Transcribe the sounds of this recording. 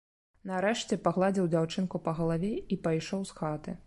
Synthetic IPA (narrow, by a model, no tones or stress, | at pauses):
nɐɾɛʂt͡sʲɛpaɣlˠad͡zʲiwd͡zʲawt͡ʂɨnkupɐɣɐlˠavʲɛipajʂɔwsxat̪ɨ